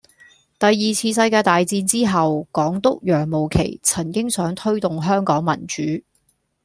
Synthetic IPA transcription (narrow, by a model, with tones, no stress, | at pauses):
t̪ɐ˨jːiː˨t͡sʰiː˧sɐ˧jkaː˧jt̪aː˨jt͡siː˧nt͡siː˥ɦɐ˨wkɔː˨˥ŋt̪ʊ˥k̚jœː˨˩ŋmo˨˩wkʰḛ˨˩jt͡sʰɐ˨˩ŋkɪ˥ŋsœː˨˥ŋt̪ʰɵ˥ɥt̪ʊ˨ŋɦœː˥ŋkɔː˨˥ŋmɐ̰˨˩nt͡ʃyː˨˥